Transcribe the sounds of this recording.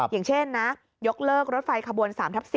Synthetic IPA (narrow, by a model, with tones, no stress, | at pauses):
jaː˨˩ŋt͡ɕʰe˥˩nːa˦˥ | jo˦˥k̚lɤː˥˩k̚ɾo˦˥t̪̚fa˧jkʰa˧bu˧ənsaː˩˦mt̪ʰa˦˥p̚si˨˩